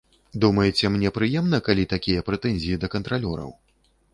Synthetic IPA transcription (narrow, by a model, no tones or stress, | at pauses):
d̪umɐjɛt͡sʲɛmnʲɛpɾɨjɛmnɐkalʲit̪akʲijɐpɾɛt̪ɛnʲzʲijid̪ɐkɐnt̪ɾalʲɔɾɐ̰w